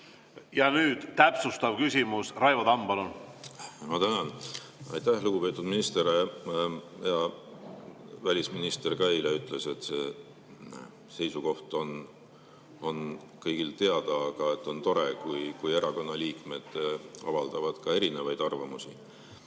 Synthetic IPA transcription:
jɑnyːd̪̥t̪æpsust̪ɑvkysʲimusrɑjvɑd̪ɑmb̥ɑlun | mɑt̪ænɑn | ɑ̰jt̪ːæhluɡ̥upe̞ːt̪ːˑud̪minist̪eɾe | jɑ | vælʲisminist̪e̞rkɑejleyt̪ːˑle̞se̞t̪ːseː | se̞jsuko̞ht̪o̞n | o̞n | kɤjɡ̥ilt̪e̞ɑd̪̥ɑːɡ̥ɑe̞t̪ːˑo̞nt̪o̞ɾe̞kujkuje̞ɾɑko̞nːɑliːkme̞d̪̥ɑ̰vɑld̪̥ɑvɑd̪̥kɑe̞ɾine̞vɑjd̪̥ɑrvɑmusi

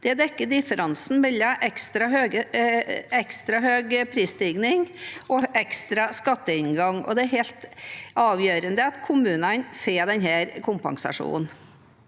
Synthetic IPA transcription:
d̪̥ɛd̪ɛkːəɖ̪ɪfəɾʔɑnsn̩mɛlːəʔɛkst̪ɾɑɦøːɡə | ɛkst̪ɾɑɦøːɡpʰɾiːst̪ɪɡnɪŋɔʔɛkst̪ɾɑskɑt̪ːəɪnɡɑŋːɔ̰d̪ɛæɾhɛːlt̪ɑːʋjøːɾənd̪əɑt̪kʰʊmʉːnɑnfeːd̪ɛnhæːɾkʰʊmpɑ̰ŋsɑ̰ʂṵːn̩

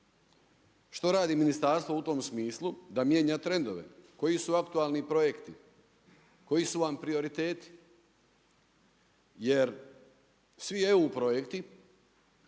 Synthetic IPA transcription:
ʃt̪o̞ɾaːd̪iminist̪aːɾst̪ʋout̪o̞ːmsmiːslˠud̪amje̞ːɲaːt̪ɾe̞nd̪o̞ʋe̞̰ko̞jisuakt̪uaːlnipɾo̞je̞kt̪i | ko̞jisuʋampɾio̞ɾit̪e̞ːt̪i̥ | je̞ɾ | sʋieupɾo̞je̞kt̪i

